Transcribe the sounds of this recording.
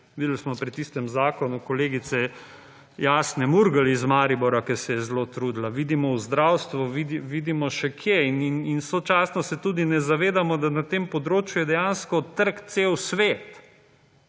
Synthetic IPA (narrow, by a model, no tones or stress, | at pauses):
ʋid̪əlsmɔpɾit̪iːst̪ɛmzaːkɔnukɔleːɡit̪sɛ | jaːsnɛmuɾɡəlizmaːɾibɔɾakɛɾsɛjɛzloːt̪ɾuːd̪laʋid̪imɔuzd̪ɾawst̪ʋuʋid̪iʋiːd̪imɔʃɛkʰjeinininsot͡ʃaːsnɔsɛt̪uːd̪inɛzaʋeːd̪amɔd̪anat̪eːmpɔd̪ɾoːt͡ʃjujɛd̪ɛjanskɔt̪əɾkt̪sewsʋeːt̪